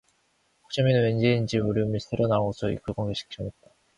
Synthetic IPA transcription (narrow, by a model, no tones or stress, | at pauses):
o̥k̚t͡ɕ͈ʌminɯwend͡ʑeind͡ʑimuɾjomisʰeɾonaosʰoḭk͈ɯɡoŋɡeɕʰi̥k̚ɕ͈ʌmet̚t͈a